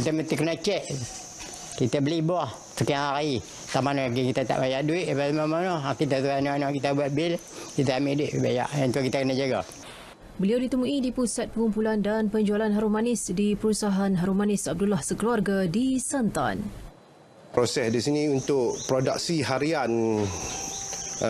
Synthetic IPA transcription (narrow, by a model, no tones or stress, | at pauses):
kit̪amət̪ikənat͡ʃɛʔ | kit̪abəlibɔh | sukanai | t̪aʔmanɔɡikit̪at̪a̰ʔbajaʔduiʔbalmamanɔakit̪at̪uanuanakit̪abuat̪̚bɪl | kit̪aamiʔduiʔbaja̰ʔjant̪uakit̪akənad͡ʒaɡa | bəliawdit̪əmũidipusat̪̚pəŋumpulandanpəɲd͡ʒualanɦaɾumanɪsdipəɾusaɦanɦaɾumanɪsab̚dulahsəkəluarɡadisant̪a̰n | posɛsdisiniunt̪ʊʔpɾoda̰ksiɦaɾian